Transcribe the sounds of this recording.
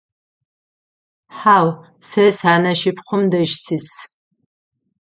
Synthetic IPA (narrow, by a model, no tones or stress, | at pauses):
ħaːw | sesaːnɐʃɪpʰχʷʊmdɐʒsis